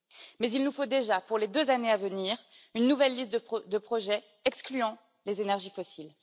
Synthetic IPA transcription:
mɛzilnufod̪eʒapuʁled̪øzaneavəniːʁ | ynːuvɛlːist̪d̪əpχɔʒɛ | ɛksklyɑ̃ | lezenɛʁʒifɔsil

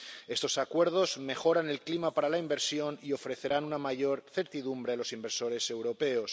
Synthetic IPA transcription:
e̞st̪o̞sakwe̞ɾðo̞zme̞xo̞ɾane̞lklimapaɾalaimbe̞ɾsjo̞nio̞fɾe̞θe̞ɾanunamaʝo̞ɾθe̞ɾt̪iðumbɾe̞alo̞simbeɾso̞ɾe̞se̞wɾo̞pe̞os

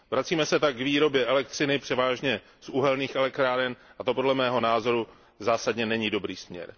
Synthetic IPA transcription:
vɾat͡siːmɛsɛt̪ak̚ɡviːɾo̞bjɛʔɛlɛk̚t̪r̝̥ɪnɪpr̥ɛvaːʒɲɛ | suɦɛlnɲiːxɛlɛkt̪ɾaːɾɛnʔat̪o̞podlɛmɛːɦo̞naːzo̞ɾu | zaːsadɲɛnɛɲido̞bɾiːsmɲɛ̰ɾ

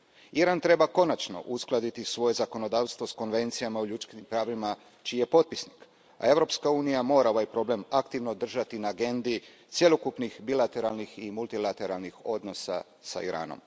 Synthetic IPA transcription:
iɾant̪ɾe̞bako̞nat͡ʃno̞̰ʔusklˠad̪it̪isʋo̞je̞zako̞no̞d̪aːʋst̪ʋosko̞nʋe̞nt̪sijamauʎut͡ʃ̪kinimpɾaːʋima | t͡ʃiːje̞po̞t̪̚pisnik | a̰e̞ʋɾo̞pskauːnijamo̞ːɾao̞ʋajpɾo̞ble̞makt̪iʋno̞d̪r̩ʒat̪inaːɡe̞nd̪it̪sje̞lˠokupnixbilˠat̪e̞ɾalˠniximulˠt̪ilˠat̪e̞ɾalnixo̞d̪no̞sa̰ | sa̰iɾa̰ːno̞̰m

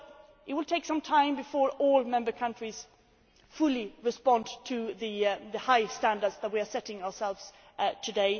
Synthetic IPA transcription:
ʔɨt̚wɪlˠtʰeɪksʌ̃mtʰãɪ̃mbɨfɔɹɔlˠmɛ̃mbə˞kʰʌ̃ntɹ̥iz̥ | fʊlˠiɹɨspɑ̃ntʰɨðɨðɨhaɪstæ̃ndə˞dzðət̚wiə˞sɛɾɪ̃ŋəə˞sɛlˠvz̥ | tʰɨdeɪ

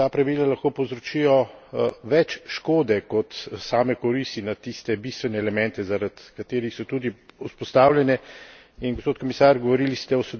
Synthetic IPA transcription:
t̪aːpɾɐʋiːlalaxkoːpowzɾɔt͡ʃijɔʋɛt͡ʃʃkoːd̪ɛkɔt̪saːmɛkɔɾist̪inat̪ist̪ɛbiːst̪ʋɛnɛːlɛmɛnt̪ɛzaɾat̪kat̪eːɾixsɔt̪ud̪iuspɔst̪awljɛnɛ | inɡospoːt̪̚komisaːɾɡɔʋɔɾilist̪ɛɔsɛd̪

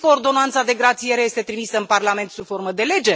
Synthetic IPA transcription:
koːrd̪o̞nant̪sad̪e̞ɡɾat̪sije̞ɾeje̞st̪e̞t̪ɾimisəɨnparlame̞nt̪sufo̞rməd̪e̞le̞d͡ʒe̞

